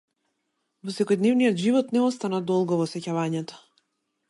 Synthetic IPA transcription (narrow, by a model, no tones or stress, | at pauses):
vɔsɛkɔjd̪nɛvnijɔt̪ʒivɔt̪nɛɔst̪anad̪ɔlˠɡɔvɔsɛcavaɲɛt̪ɔ̥